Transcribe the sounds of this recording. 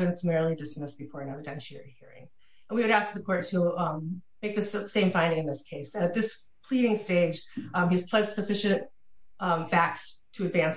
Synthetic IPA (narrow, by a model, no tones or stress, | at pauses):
ɨ̃nsəmɛɹl̩ˠidɨsmɪsb̥ɨfɔɹɨ̃nɛvɨdɛ̃nʃɪ̰˞hiɹɪ̰̃ŋ | ɨ̃nwiwɨɾæsk̚ðɨkʰɔɹtʰəmmeɪk̚ðɨssẽɪ̃ɱfãɪ̃ndɪ̃ŋɨ̃nðɪskʰeɪsɨɾɨt̪̚ðɪs | pʰl̥iɾɪ̃ŋsteɪd͡ʒ̥iz̥pʰl̥ɛ̃d̥sɨfɪʃɨ̃nt | fæk̚tstʰɨɨdvæ̃ns